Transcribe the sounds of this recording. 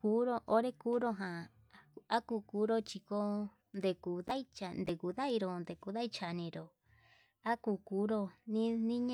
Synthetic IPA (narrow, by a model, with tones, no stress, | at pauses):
kuː˨˦ɾo˧ʔo˧˦ɾe˦kuː˦ɾo˧ɦã˨ | a˦ku˧kuː˨˦ɾo˧t͡ʃi˧ko˦ | nd̪e˧ku˨ða˦i˦t͡ʃa˧˨nd̪e˨ku˧˨ða˦i˧ɾo˧nd̪e˨ku˧ða˦i˧˦t͡ʃa˨nĩ˧ɾo˨ | a˦ku˧kuː˨˦ɾo˧nĩ˦nĩ˦ɲ̃˦